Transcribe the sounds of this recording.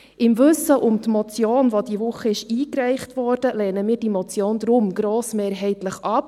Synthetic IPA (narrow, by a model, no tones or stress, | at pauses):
ʔɪmvɵsəʔʊmt̪mɔt͡sjoːnʋodiʋʊχəɪʃiːkɾɛɪχtvɔɾd̥əlɛːnəmiːɾd̥imɔt͡sjoːnd̪ɾʊmɡɾoːsmeːɾɦɛɪtləχɑp